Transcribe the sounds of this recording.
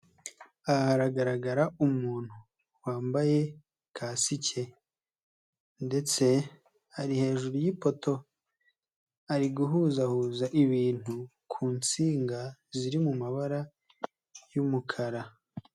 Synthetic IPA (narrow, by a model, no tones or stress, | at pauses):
ahaɾaɡaɾaɡaɾaʔumuːn̥hu | waːmbaje̞ | kʰaːsicʰe̞ | nde̞t͡se̞ | aɾihe̞ːʒuɾujipo̞to̞ | aɾiɡuɦuːzahuːzaʔiβiːn̥hu | kʰuːnt͡siːŋɡaziɾimumaβaɾa | jumukʰaɾa